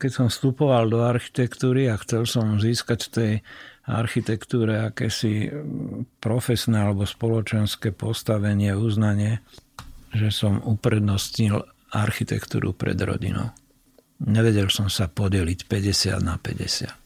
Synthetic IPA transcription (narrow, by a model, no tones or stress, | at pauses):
kɛcsɔmfst̪upɔʋald̪ɔaɾxi̥t̪ɛkt̪uːɾiaxt͡sɛlsɔmziːskacft̪ɛja̰ɾxit̪ɛkt̪uːɾɛakɛːsi | pɾɔfɛsnɛːalɛbɔspɔlɔt͡ʃɛnskɛːpɔst̪aʋɛɲɪɛuznaɲɪɛ | ʒɛsɔmupɾɛd̪nɔstɲil | aɾxit̪ɛ̰kt̪ṵːɾṵpɾɛ̰d̪ɾɔ̰ɟḭnɔ̰ʊ | ɲɛʋɛɟɛlsɔmsapɔɟɛlicpɛɟɛsɪa̰d̪napɛ̰ɟɛ̰sɪa̰t̪